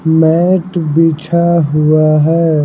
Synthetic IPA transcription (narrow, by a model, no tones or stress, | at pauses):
mɛːʈbiːt͡ʃʰaɦʊaɦɛː